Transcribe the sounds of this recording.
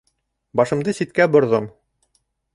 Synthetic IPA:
bɒʃɤ̆md̪ɤsit̪̚kæbŏɾðɤm

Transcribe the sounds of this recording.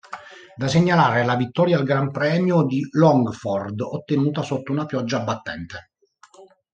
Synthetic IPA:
d̪aseɲːalaːɾelavit̪ːɔːɾjalɡɾampɾɛːmjod̪ilɔŋɡfɔrd̪ot̪ːenuːt̪asot̪ːounapjɔd͡ʒːaːbːat̪ːɛ̰nt̪e

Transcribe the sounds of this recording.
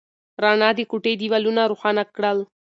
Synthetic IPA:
ɾɑɳɑd̪ekuʈed̪iwalunaɾuxɑnakɽəl

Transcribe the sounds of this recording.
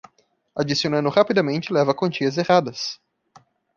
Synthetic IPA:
ad͡ʒisionɐ̃nd̪ʊhapid̪ɐmẽnt͡ʃɪlɛvɐkõnt͡ʃiɐzehad̪ɐs

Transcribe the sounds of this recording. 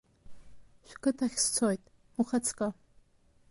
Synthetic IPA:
ʃʷᶣkʰɨtʰaχʲst͡sʰojtʼ | uχat͡sʰkʼa

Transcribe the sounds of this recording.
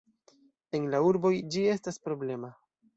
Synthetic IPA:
e̞nlauɾbo̞jd͡ʒie̞staspɾo̞ble̞ma

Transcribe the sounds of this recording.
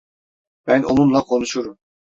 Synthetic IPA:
b̥æno̰numlˠakʰo̞nuʃuɾum

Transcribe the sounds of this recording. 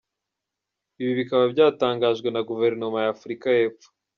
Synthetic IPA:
iβiβikaβabɟaːtaːŋɡaːʒɡwe̞naɡuve̞ɾno̞majafuɾikaje̞ːpfo̥

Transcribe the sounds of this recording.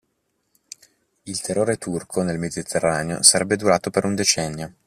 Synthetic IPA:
ilt̪erːoːɾet̪urkʰonelmed̪it̪ʰerːaːneo̰saɾɛbːed̪uɾaːt̪opeɾund̪et͡ʃɛnːjo

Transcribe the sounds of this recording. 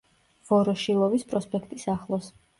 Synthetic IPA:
v̥ɔɾɔʃilˠɔvispʼɾɔspʼɛkʰt̪ʼisaχlˠɔs

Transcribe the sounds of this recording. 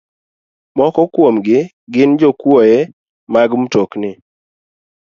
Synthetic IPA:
mɔkɔkwomɡɪ | ɡɪnd͡ʒɔkwɔjɛ | maɡmutoknɪ

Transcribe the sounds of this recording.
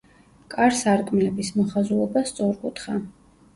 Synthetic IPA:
kʼaɾsaɾkʼmilɛbismɔχazuɛbast̪sʼɔɾkʼut̪ʰχa

